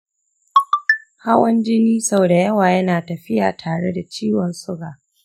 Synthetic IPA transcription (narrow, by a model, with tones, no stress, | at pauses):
ha˦wɐ˦nd͡ʒɪ˦niː˦sɐ˦wda˨jɐ˦waː˨jɐ˦naː˨tɐ˨ɸɪ˦ja̰ː˨tʰaː˨ɽe˦da˨t͡ʃiː˦wɔ˨nsʊ˦ɡaː˨